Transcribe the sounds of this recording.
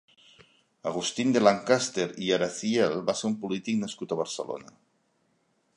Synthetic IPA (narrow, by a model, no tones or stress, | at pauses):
aɣ̞ust̪ind̪elaŋkast̪eɾiaɾaθielbaseɾumpulit̪iknaskut̪aβ̞aɾsə̰lo̰na